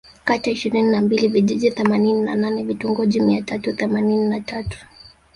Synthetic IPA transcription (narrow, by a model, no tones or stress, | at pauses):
katiaiʃiɾininambiliviʄiʄiθɛmaninina̰nanɛvituŋɡɔʄimiatatuθɛmanininatatu̥